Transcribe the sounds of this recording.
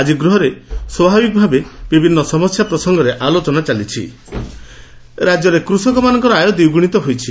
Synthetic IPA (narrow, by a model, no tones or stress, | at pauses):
ad͡ʒiɡɾuɦɔɾeswɔbʱabikɔbʱabebibʱinːɔsɔmɔsjapɾɔsɔŋɡɔɾeʔalot͡ʃɔnat͡ʃalit͡ʃʰḭ | ɾad͡ʒɔɾekɾusɔŋkɔmanɔŋkɔɾɔajod̪iuɡuɽ̃it̪ɔɦojt͡ʃʰi